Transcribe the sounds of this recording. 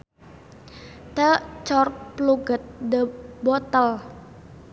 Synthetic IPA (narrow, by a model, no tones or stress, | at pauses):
t̪ət͡ʃɔrpluɡət̪̚dəbɔt̪əl